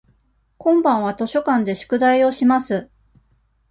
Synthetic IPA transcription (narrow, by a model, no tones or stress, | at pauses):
kõ̞mbãɰ̃β̞at̪o̞ɕo̞kãnd̪e̞ɕɨ̥kɯ̟d̪aio̞ɕimasɨ